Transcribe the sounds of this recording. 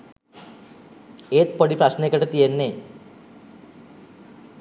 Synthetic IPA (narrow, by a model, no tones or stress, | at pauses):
eːt̪̚poɽiprɐɕnekːɐʈːet̪ːijenːe